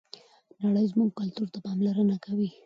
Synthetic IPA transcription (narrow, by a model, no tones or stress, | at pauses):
naɽəjzmuɡ̚kʊlt̪uɾt̪apɑmlaɾənakawi